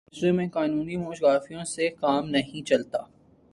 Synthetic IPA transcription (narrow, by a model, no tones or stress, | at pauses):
sɾemẽkaːnuːnimoːʃɡaːfijõsekaːmnɐɦĩt͡ʃɐlt̪aː